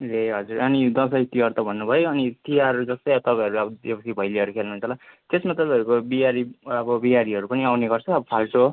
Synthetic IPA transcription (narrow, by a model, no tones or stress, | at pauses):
reɦʌd͡zurʌnid̪ʌsʌjt̪iɦʌrt̪ʌbʱʌnːubʱʌjoʌnit̪iɦaɾʌɾud͡zʌst̪ʌjat̪ʌpãj̃ʌɾuʌbʌepʌsibʱʌjliʌɾukʰelnuɦːnt͡sʰʌlat̪esmat̪ʌpãʌɾukobiaɾiʌbʌbiaɾiʌɾupʌniawneɡʌrt͡sʰʌːbʌpʰalʈo